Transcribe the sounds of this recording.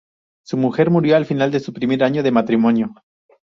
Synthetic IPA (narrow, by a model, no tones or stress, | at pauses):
sumuxe̞ɾmuɾjo̞alfinald̪e̞supɾime̞ɾaɲo̞ðe̞mat̪ɾimo̞njo̞